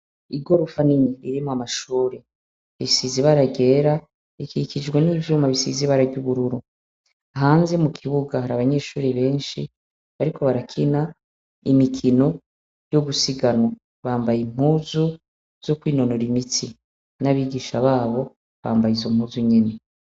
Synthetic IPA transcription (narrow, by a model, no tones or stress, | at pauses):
iɡo̞ɾufaniɲiɾiɾimoamaʃuːɾe | βiisiziβaɾaɡe̞ːɾa | ikikid͡ʒɡweniːvjumaβisḭziβaɾaɟuβuɾuɾu | aɦaːnzemukʰiβuɡahaɾaβaɲe̞ːʃuːɾiβe̞ːnʃi | βaɾikʰo̞βaɾakʰina | imikʰino̞ | joβusiɡanwo | βaːmbajim̥huzu | z̥o̞kwiːno̞no̞ɾimiti | naβiːɡiʃaβaːβo̞ | βaːmbajizo̞m̥uːzuɲene̞